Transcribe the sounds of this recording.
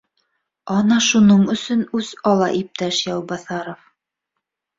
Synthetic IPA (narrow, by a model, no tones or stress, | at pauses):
ɑnɑʃunɤɴɵ̆sɵnʉz̥ɑlˠɑ̰ʔip̚t̪æʃjɑwbɑθɑɾof